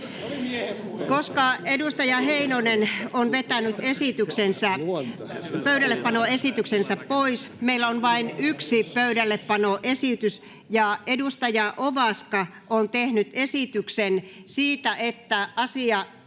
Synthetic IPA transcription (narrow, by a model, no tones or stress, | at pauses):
koskɑedust̪ɑjɑheinonenonʋet̪ænyt̪esit̪yksensæ | pøyɾælːeppɑnoesit̪yksensæppoismeilːonʋɑinyksipøydælːeppɑnoʔesit̪ys | jɑedust̪ɑjɑʔoʋɑskɑ | ʔont̪ehnyt̪esit̪yksensiːt̪æʔet̪ːæɑsiɑ